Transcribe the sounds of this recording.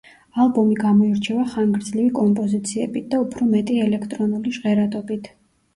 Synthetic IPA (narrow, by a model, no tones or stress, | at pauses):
alˠbɔmiɡamɔiɾt͡ʃʰɛvaχaŋɡɾd̪zlivikʼɔmpʼɔzit̪sʰiɛ̰bit̪̚ʰd̪aupʰɾɔmɛt̪ʼiɛlɛkʰt̪ʼɾɔnuliʒʁɛɾat̪ʼɔbit̪ʰ